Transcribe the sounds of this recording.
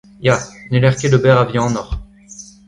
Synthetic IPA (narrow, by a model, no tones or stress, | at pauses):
janelɛʁkʲeləbɛʁavjɛ̃ɑ̃nɔʁ